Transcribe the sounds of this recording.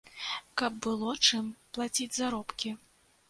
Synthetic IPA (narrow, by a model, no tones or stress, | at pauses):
kɐbːɨlˠɔt͡ʂɨmplˠat͡sʲid͡zʲzaɾɔpkʲi